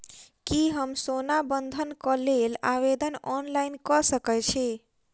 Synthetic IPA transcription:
kiɦəmsonabənd̪ʱənkəlela̰βed̪ənɔnlainkəsəkɛt͡ʃʰɛ

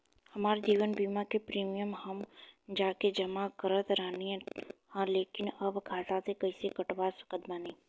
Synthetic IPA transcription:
hɐmaːɾed͡ʒiːʋənbiːmakepɾiːmijəmhɐmd͡ʒaːked͡ʒɐmakəɾət̪ɾəɦniẽhãleːkɪnɐbkʰaːzãsekɐisekɐʈʋaːsə̥kəd̪manĩː

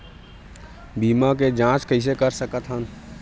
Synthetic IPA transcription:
biːmaked͡ʒãt͡ʃkəɪs̬ekəɾsəkət̪ʰɦən

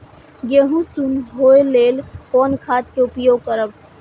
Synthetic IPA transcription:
jeɦũsunɦoːeleːlkɔːnkʰaːt̪̚keʊpjoːɡ̚kəɾəb

